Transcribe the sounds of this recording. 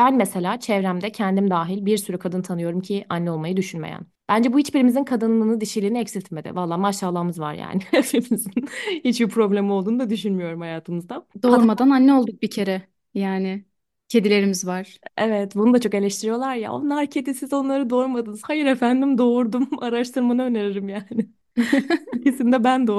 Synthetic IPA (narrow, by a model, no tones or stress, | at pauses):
b̥ænmese̞lʲaːt͡ʃʰɛvɾæmd̪ɛcʰɛnd̪imd̪aːɦilʲbiɾsyɾykʰad̪ɯnt̪ʰanɯjo̞ɾumcʰɪʔanːɛo̞lˠmajɯd̪yʃynmḛjæ̰n | b̥ænd͡ʒɛbuhit͡ʃbiɾimizinkʰad̪ɯnlˠɯːnɯd̪iʃelʲiɾiniɛcsit̪ʰme̞d̪ɪ̰valˠːaːmaʃːaːlˠaːmɯzva̰ɾja̰ːnɪfimizinhit͡ʃbipʰɾo̞blʲemiolˠd̪uːnud̪ad̪yʃynmyjo̞ɾumhajaːt̪ʰɯmɯzd̪ad̪o̞ɾmad̪ananːɛolˠd̪uk̚bicʰe̞ɾɛ | jaːnɪ | cʰe̞d̪ilʲe̞ɾimizvaɾ̥evɛt̪bunud̪at͡ʃʰo̞ke̞lʲɛʃt̪ʰiɾijo̞lˠaɾja̰o̰nːaɾcʰe̞d̪isizo̞nlˠaɾɯd̪o̞ɾmad̪ɯnɯz̥hajɯɾefænd̪imd̪o̞ɾd̪umaɾaʃt̪ʰɯɾmanaøneɾeɾimjaːnɪ | cisind̪ɛbænd̪o